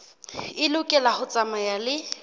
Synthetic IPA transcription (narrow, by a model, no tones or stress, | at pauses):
ɪlʊkʼɛlahʊt͡sʼamajalɪ